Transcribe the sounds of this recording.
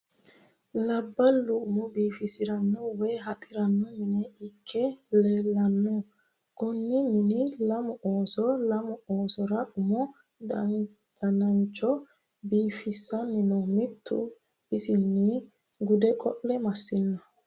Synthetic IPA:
lɐbːɐlːʊʊmɔbiːfɪsɪɾɐnːɔwɛːɦɐt̪ʼɪɾɐnːɔmɪnɛɪkʰːɛleːlːɐnːɔ | ɡ̥ɔnːɪmɪnɪlɐmɔʔoːsɔlɐmɔoːsɔɾɐʊmɔ | d | ɐnɐnt͡ʃʼːɔ | biːfɪsːɐnɪnɔmɪt̪ʰːʊ̰ | ɪsɪnːɪ | ɡʊd̪ɛkʼɔʔːɛmɐsːɪnːɐ

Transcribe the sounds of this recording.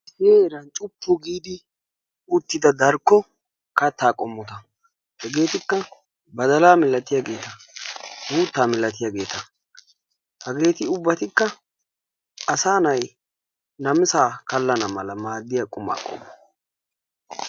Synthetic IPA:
seːɾɐnt͡ʃʼʊpːʊɡiːd̪ɪ | ʊt̪ːɪd̪ɐd̪ɐɾkːɔ | kɐt̪ːaːkʼɔmːɔt̪ɐ | hɛɡe̞ːt̪ɪkːɐ | bɐd̪ɐlaːmɪlɐt̪ɪjaɡe̞ːt̪ɐ | muːt̪ːaːmɪlɐt̪ɪjaɡe̞ːt̪ɐ | hɐɡe̞ːt̪ɪʊbːɐt̪ɪkːɐ | ɐsaːnɐj | nɐmɪsaːkɐlːɐnɐmɐlɐmaːd̪ːɪjɐkʼʊma̰ːkʼːɔ̰mːɐ

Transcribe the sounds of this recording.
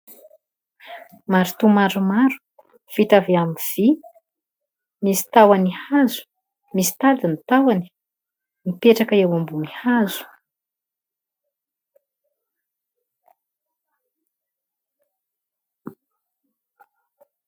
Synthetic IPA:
maɾut̪umaɾumaɾu̥ | v̥it̪aveamiv̥i | misi̥t̪awanihazu̥ | misi̥t̪ad̪init̪awani̥ | nipeʈ͡ʂakəewambunihazu̥

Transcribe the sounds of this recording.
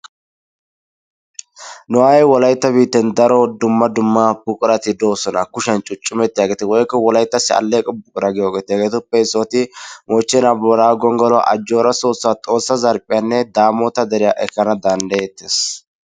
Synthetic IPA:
nɔwajɛwɔlɐjt̪ːɐbiːt̪ːɛnd̪ɐɾɔd̪ʊmːɐd̪ʊmːɐbʊkʼʊɾɐt̪ɪd̪o̞ːsɔnɐkʊʃɐnt͡ʃʼʊt͡ʃʼːʊmɛt̪ːɪjaːɡeːt̪ɛwɔjkːɐwɔlɐjt̪ːɐsɪɐ̰lːeːkʼɔbʊkʼʊɾɐɡɪjoːɡeːt̪ːɪjaɡeːt̪ʊpːɛɪsoːt̪ɪmɔt͡ʃːɛnabɔɾaːɡɔŋɡɔlɔ̰ʔɐd͡ʒːo̞ːɾɐso̞ːsːaːt̪ʼo̞ːsːɐzɐɾpʼɪjanːɛd̪aːmoːt̪ɐd̪ɛɾɪjaʔɛkːɐnɐd̪ɐnd̪ɐjɛt̪ːeːs

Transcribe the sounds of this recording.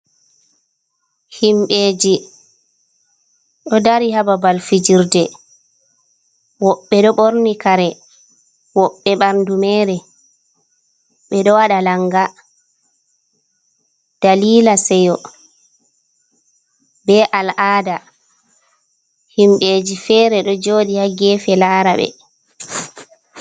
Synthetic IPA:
himɓeːd͡ʒi | ɗɔdaɾihababalfid͡ʒiɾdɛ | wɔɓːɛɗɔɓoɾnikaɾɛ | wɔɓːɛɓaɾndumɛːɾɛ | ɓɛɗɔwaɗalaŋɡa | d̥aliːlasɛjɔ | bɛʔalʔaːda | himɓeːd͡ʒifɛːɾɛɗɔd͡ʒoːɗihaɡɛːfɛlaːɾaɓɛ̰

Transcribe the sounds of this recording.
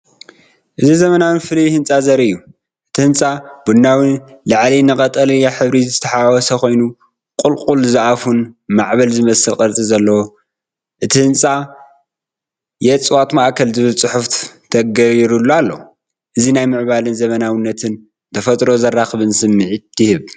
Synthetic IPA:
ʔɨzizɐmɐnawinfɨljihɨnt͡sʼazɐɾɨjːu | ʔɨt̪ʰihɨnt͡sʼab̥undawinlaʕlinɨkʼɐt̪ʼɐlijaħɨβɾizzɨt̪ʰɐħawɔsɐko̞jnu | kʼʊlqʼulzɨʔafunmaʕβɐlzɨmɐsɨlkʼɐɾt͡sʼizɐlːɐwo | ʔɨt̪ʰihɨnt͡sʼa | jɛt͡sʼwat̪maʔkʰɐlzɨβɨlt͡sʼɨħuft̪t̪ʰɐɡɐɾiɾulːualːɐw | ʔɨzinajmɨʕβalɨnzɐmɐnawɨnːɐt̪ʰɨn | t̪ʰɐfɐt̪ʼɾo̞zɐrːaxβɨnsɨmːɨʕit̪ʰɨhɨβ

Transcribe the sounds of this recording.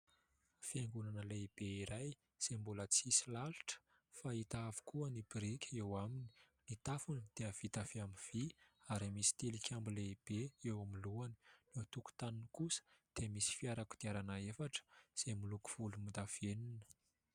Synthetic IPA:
fiaŋɡunanəleib̥eiɾaj | z̥embulət͡sisilalu̥ʈ͡ʂə̥ | fait̪aavu̥kuənibɾikʲʰewamini̥ | nit̪afunid̪̥eəv̥it̪afiamiv̥iaɾimisi̥t̪elikʰʲambileib̥eewamiluani̥net̪uku̥t̪anunikusə̥d̪̥emisi̥fiaɾaku̥d̪̥iaɾanaefaʈ͡ʂə̥z̥emuluku̥v̥ulumind̪av̥eninə̥

